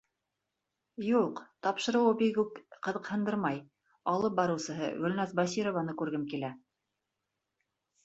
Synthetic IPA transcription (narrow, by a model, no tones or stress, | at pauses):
juqt̪ɑpʃɤ̆ɾɤ̆wɤbiɡʉkqɤ̆ðɤ̆qhɤ̆nd̪ɤɾmɑj | ɑlˠɤp̚bɑɾɤ̆wsɤ̆ɦɤ̰ɡɵ̆lnæzbɑs̬ʲiɾovɑnɤkʉɾɡɘmkilæ